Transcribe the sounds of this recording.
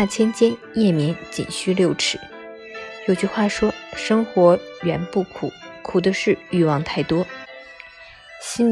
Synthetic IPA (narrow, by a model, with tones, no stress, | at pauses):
a˥˩t͡ɕʰjɛ˥nt͡ɕjɛ˥n | jɛ˥˩mjɛ˧˥nt͡ɕḭ˨˩nɕy˥˧ljo˥˩ʊʈ͡ʂʰɻ̩˧˩˦ | jo˨˩ʊt͡ɕy˥˧xwa˥˩ʂwɔ˥ʂɤ˥ŋxwɔ˧˥ɥɛ˧˥npu˥˩kʰu˨˩˦kʰu˨˩d̪ə˦ʂɻ̩˥˩y˥˧wɑ˥˧ŋt̪ʰa˥˩ɪt̪wɔ˥ | ɕi˥n